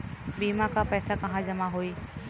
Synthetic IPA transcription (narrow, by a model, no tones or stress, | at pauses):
biːmãkapɛːsakɐɦãd͡ʒɐmaɦoːiː